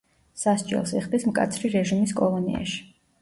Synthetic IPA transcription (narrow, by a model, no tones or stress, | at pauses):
sasd͡ʒʼɛ̰lˠsɛχd̪ismkʼa̰t̪sʰɾiɾɛʒimiskʼɔlˠɔnḭa̰ʃi̥